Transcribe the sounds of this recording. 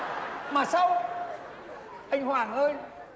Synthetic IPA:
maː˨˩sa˧w | ʔa˧jŋ̟hwaː˨˩ŋʔəː˧j

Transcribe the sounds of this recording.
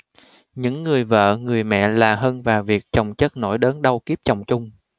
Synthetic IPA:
ɲɨ̰˧˥ŋːɨ˨˩əjvə̰ː˧˨ŋɨ˨˩əjmɛ̰˧˨laː˨˩ɦəː˧nvaː˨˩wvi˨˩ək̚t͡ɕə˨˩wŋ͡mt͡ɕə˦˥t̚no̰˧˥jɗəː˨˦nɗə˧wki˦˥əp̚t͡ɕɔ˨˩wŋ͡mt͡ɕʊ˧ŋ͡m

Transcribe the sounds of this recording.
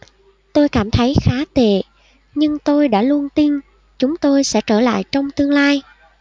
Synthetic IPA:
t̪o˧jkaː˧˩mt̪ʰə˨˦jxaː˨˦t̪ḛ˧˩˨ | ɲɨ˧ŋt̪o˧jɗa̰ː˧˥lu˧ənt̪i˧n | t͡ɕʊ˨˦ŋ͡mt̪o˧jsɛ̰˧˥t͡ɕəː˧˩la̰ː˧˨jt͡ɕɔ˧wŋ͡mt̪ɨ˧əŋlaː˧j

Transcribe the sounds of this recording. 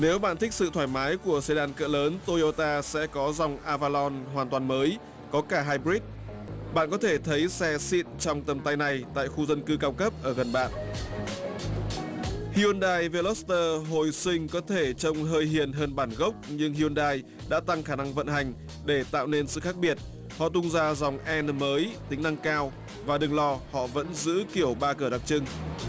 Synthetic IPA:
ne˨˦wɓa̰ː˧˨nt̪i˦˥k̚sɨ̰˧˨t̪ʰwaː˧˩jmaː˨˦jku˧˩əse˧ɗaː˧nkə̰ː˧˨ləː˨˦nt̪o˧jo˧t̪aː˧sɛ̰˧˥kɔ˨˦za˨˩wŋ͡mʔaː˧vaː˧lɔ˧nɦwaː˨˩nt̪waː˨˩nməː˨˦j | kɔ˨˦kaː˧˩ɦaː˧jɓi˦˥t̚ | ɓa̰ː˧˨nkɔ˨˦t̪ʰe˧˩t̪ʰə˨˦jsɛ˧sḭ˧˨nt͡ɕɔ˧wŋ͡mt̪ə˨˩mt̪a˧jna˨˩jt̪a̰ː˧˨jxu˧zə˧nkɨ˧kaː˧wkə˦˥p̚ʔəː˧˩ɣə˨˩nɓa̰ː˧˨nʔ | hi˧ʔo˧nɗaː˧jve˧lɔ˦˥st̪əː˧ɦo˨˩jsï˧ŋ̟kɔ˨˦t̪ʰe˧˩t͡ɕə˧wŋ͡mɦəː˧jɦi˨˩ənɦəː˧nɓaː˧˩nɣə˦˥wk͡p̚ɲɨ˧ŋhi˧o˧nɗaː˧j | ɗa̰ː˧˥t̪a˧ŋxaː˧˩na˧ŋvə̰˧˨nhɦa˨˩jŋ̟ | ɗe˧˩t̪a̰ː˧˨wne˧nsɨ̰˧˨xaː˦˥k̚ɓi˨˩ət̚ | hɔ̰˧˨t̪ʊ˧ŋ͡mzaː˧zɔ˨˩wŋ͡mʔɛ˧nməː˨˦jt̪ï˨˦ŋna˧ŋkaː˧w | vaː˨˩ɗɨ˨˩ŋlɔ˧hɔ̰˧˨və̰˧˥nzɨ̰˧˥ki˧˩əwɓaː˧kəː˧˩ɗa˨˩k̚t͡ɕɨ˧ŋ

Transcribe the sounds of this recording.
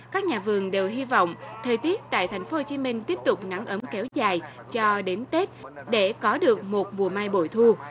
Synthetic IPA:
kaː˦˥k̚ɲaː˨˩vɨ˨˩əŋɗe˨˩wɦi˧vɔ̰˧˨wŋ͡mt̪ʰəː˨˩jt̪i˦˥ət̚t̪a̰ː˧˨jt̪ʰa˨˩jŋ̟fo˨˦ho˧˩t͡ɕi˨˦mï˧ŋ̟t̪i˦˥əp̚t̪ʊ˨˩k͡p̚na˨˦ŋʔə˨˦mkɛ˨˦wzaː˨˩j | t͡ɕɔ˧ɗe˨˦nt̪e˦˥t̚ɗe˧˩kɔ˨˦ɗɨ˨˩ək̚mo˨˩t̚mu˨˩əmaː˧jɓo̰˧˩jt̪ʰu˧

